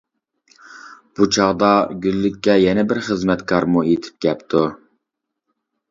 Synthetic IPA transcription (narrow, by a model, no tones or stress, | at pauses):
b̥ut͡ʃʰɑʁd̪ɑɡʲylːykʲːɛjɛnɛbɪɾχəzmɛt̪kʰɑɾmuet̪ʰɪ̥p̚kʲɛpt̪ʰu